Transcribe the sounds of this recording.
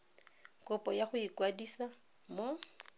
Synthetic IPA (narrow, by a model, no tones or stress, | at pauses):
kʼʊpʼɔjaχʊikwadisa | mo